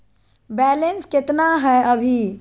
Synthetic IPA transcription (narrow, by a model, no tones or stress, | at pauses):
bɛːlenskɪt̪naɦɛʔəbʱi